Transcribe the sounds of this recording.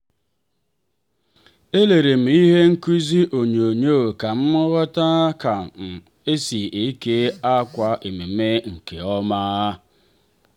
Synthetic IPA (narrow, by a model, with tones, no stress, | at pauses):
e˦le˨ɾe˨m̩˨i˦ɦe˦ŋ̩˦ki˦zi˦ʔo˨ɲ˨o˨ɲoː˦˨ka˨m̩˦mʊ˦ɣɔ˦ta˦ka˨ | e˦si˨e˦ke˦a˦kʷa˦ʔe˨me˨me˦ŋ̩˨ke˨ɔ˦ma˦